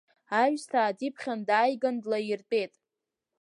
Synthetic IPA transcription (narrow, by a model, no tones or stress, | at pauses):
aɥᶣstʰaːdipʰχʲandaːjɡandlajirtʼejtʼ